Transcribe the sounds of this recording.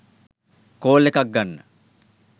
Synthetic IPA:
koːlekak̚ɡanːə̰

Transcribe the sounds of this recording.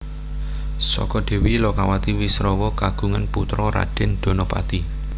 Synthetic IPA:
sɔ̰kɔd̪̥e̤wilɔkawat̪iwisɾɔwɔkaɡ̥ṳŋanput̪ɾɔɾa̰ɖ̥e̤nd̪̥o̤nɔpa̰t̪i

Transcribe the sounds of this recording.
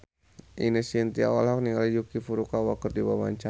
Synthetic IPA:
ʔinəsiənt̪ia̰walɦɔk̚niŋalid͡ʒukifuɾukawakərdiwama̰ɲt͡ʃa

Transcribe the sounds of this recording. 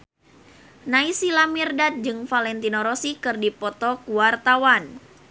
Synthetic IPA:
naisilamirdat̪̚d͡ʒɨŋfalɛnt̪inoɾɔsikɨrdipɔt̪ɔkuwart̪awan

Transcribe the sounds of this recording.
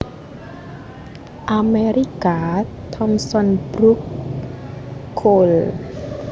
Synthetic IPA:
ʔameɾikaː | t̪ʰɔmsɔnbɾuk | ol

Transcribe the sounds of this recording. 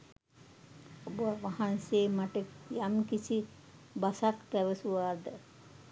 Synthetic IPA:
obuaʋaɦanseːmaʈekjamkisi | basakpæʋəsuʋaːd̪ə

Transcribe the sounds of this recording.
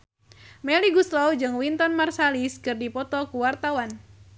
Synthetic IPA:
mɛliɡuslɔwd͡ʒɨŋwint̪ɔnmarsaliskɨrdipɔt̪ɔkuwart̪awan

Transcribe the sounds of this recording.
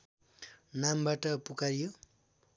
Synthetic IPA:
nambaʈʌpukaɾijo

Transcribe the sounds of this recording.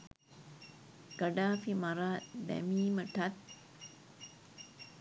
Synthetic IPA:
kəɖaːfimaɾaːd̪ɛ̰miːməʈʰat̪̚

